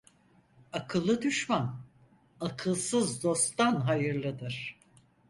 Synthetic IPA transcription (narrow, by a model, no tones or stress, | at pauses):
akʰɯlˠːɯd̪yʃman | akʰɯlˠsɯzd̪o̞st̪anɦajɯɾlˠɯd̪ɯɾ̥